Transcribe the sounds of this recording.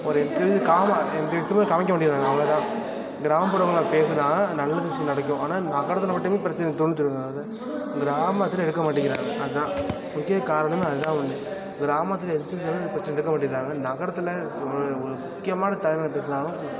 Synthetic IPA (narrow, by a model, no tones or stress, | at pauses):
ɔɾɛnt̪ɪɾðɯkaːmaɛnd̪ɐʋɪt̪ːɯmɐːkɐmɪk̬ʲːɐmaːʈːɪɾaːŋɡɐːʋɐɭɐt̪ãː | ɡɪɾaːmɐpɐɽɐʋɐŋɡɐɭpeːs̬ɯɾaːŋɐnɐlːaðɪt͡ʃːinɐɽɐkːʊ̃aːnaːnaːkːaːɽɐt̪̬ːɪlɐpɐʈːɯmeːpɪɾɐt͡ʃːɐnɐt̪ʊɳːɯt̪ːɪɾɯŋɡðɯ | ɡɪɾaːmaːt̪ːɪlɛɽɯkːɐmaːʈːɪŋːɪɾaːŋɡɐʔɐðɯt̪ãː | mʊkːɪjɐkaːɾɐɳɐmeːɐðɯt̪ãːʋɐɳd̪ɯ | ɡɪɾaːmat̪̬ːɪlɐɛnd̪t̪ɪɾɐnpɪɾɐt͡ʃːɐnɛɛɽɯkːɐmaːʈ̬ːɪːaːŋɡɐnaːkːaːɽɐt̪ːɯlɐ | ɔɾɯɔɾɯmʊkːɪjɐmaːnɐt̪ɐlɪnːlɐpeːs̬ɯnaːlʊ̃